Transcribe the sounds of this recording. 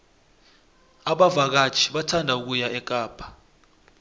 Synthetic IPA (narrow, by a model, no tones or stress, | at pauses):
aɓavak̬ḁt͡ʃʰi̥ɓatʰandʱauk̬ujaʔɛkʼaːpʰḁ